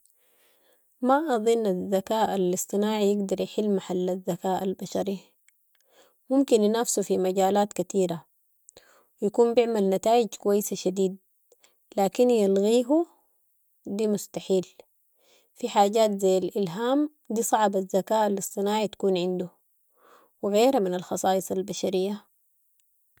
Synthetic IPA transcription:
maʔɑðˤɨnːazːakaːʔalɨsˤt̪ˤɨnaːʕijɪɡd̪ɑɾˤjɪħɪlːmaħalːazːakaːʔalbaʃɑɾi | mumkinnafsufimaɟaːlaːt̪kat̪iːɾa | jakuːmbɪʕmalnat̪aːʔiɟkuwajːɪsaʃad̪iːd̪̚ | laːkinjalɣiːɦu | d̪iːmʊst̪aħiːl | fiħaːɟaːt̪zajːalʔɪlɦaːm | d̪iːsˤɑʕbazːakaːʔalːɨsˤːɨnaːʕit̪ḁkuːnʕɪnd̪u | wɪɣeːɾhaminalxɑsˤɑːʔɨsˤɑlbaʃaɾijːa

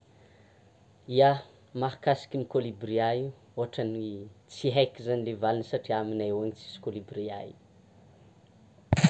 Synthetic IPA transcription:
ia | maɦakasi̥kʲinikolibriau | oɦaʈ͡ʂənit͡siɦajkʲizanilevalinsaʈ͡ʂiaminaewaɲit͡si̥si̥kolibria̰jḭ

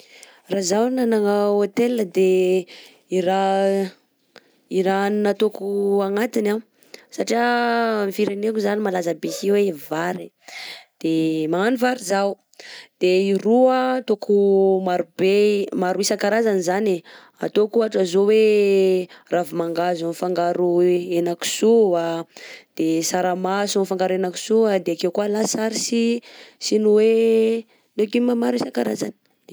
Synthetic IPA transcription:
razawnanaŋaot̪elnəd̪e | iɾa | iɾannat̪okuaŋat̪ina | saʈ͡ʂiamfiɾenekuzanimalazabesiwevaɾe | d̪̥emaanivaɾizaw | d̪̥eiɾuət̪okʰumaɾubemaɾuisakaɾazanizane | a̰t̪okuaʈ͡ʂazowe | ravimaŋɡazunfaŋɡaɾuenaku̥suad̪̥esaɾamasunifaŋɡaɾuenaku̥suad̪eakewkualasaɾisisinuwe | nekimamaɾuisaŋkaɾa̰za̰ni̥

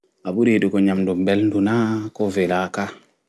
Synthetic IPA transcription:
aɓuɾiɗukoɲamdumbɛlndunakɔvelaka

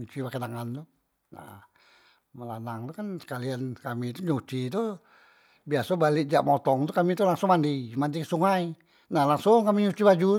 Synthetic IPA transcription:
ɲut͡ʃipakedaŋant̪u | na̰ | məlanaŋt̪ukansə̥kaliankamit̪uɲut͡ʃit̪u | biasabalɪʔ̚d͡ʒa̰ʔmɔt̪ɔŋt̪ukamit̪ulaŋsʊŋmandimandisuŋai | nahlaŋsʊŋkamiɲut͡ʃibad͡ʒu

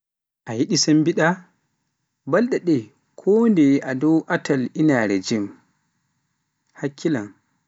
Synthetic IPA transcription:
ʔajiɗisambiɗa | balɗɛɗɛ | kʰɔːndɛʔadɔwʔatalinaɾɛ̰d͡ʒɛm | hakʰːila̰n

